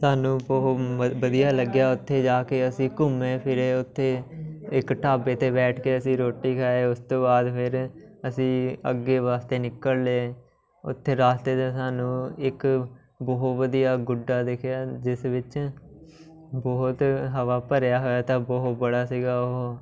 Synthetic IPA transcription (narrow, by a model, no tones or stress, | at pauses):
saːnũː | ʋəd̪ijaːləɡjaːʊt̪ʰːeːd͡ʒaːkeːəsĩːkʊmẽːpʰɪɾeːʊt̪ʰːeːɪkʈaːbeːt̪eːbɛːʈʰkeːəsĩːɾoːʈːiːkʰaːeːʊst̪õːbaːd̪pʰɪɾ | əsĩːə̰ɡːeːʋaːst̪eːnɪkːəlleː | ʊ̰t̪ʰːeːɾaːst̪eːt̪esaːnũːɪk | bɔːɦt̪ʋəd̪ijaːɡʊɖaːd̪eːkʰjaːd͡ʒɪsʋɪt͡ʃ | bɔːt̪ɦəʋaːpəɾjaːɦoːjaːt̪ãːbɔːt̪̚bəɽaːsiːɡaːʊɦoː